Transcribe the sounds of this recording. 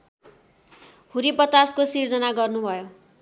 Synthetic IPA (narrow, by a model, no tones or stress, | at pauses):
huɾipʌt̪askosird͡zʌnaɡʌrnubʱʌjo